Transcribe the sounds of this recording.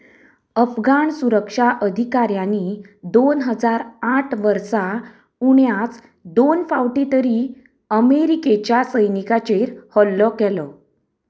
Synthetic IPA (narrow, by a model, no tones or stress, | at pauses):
əfɡaɳsuɾəkʂaʔəd̪ʱikaɾjanːid̪onɦəd͡zaɾaʈʰʋəɾsa | uɳjat͡s | d̪onfaʋʈit̪əɾi | əmeɾiket͡ɕjasəjnikat͡ɕeɾhɔlːɔkɛlɔ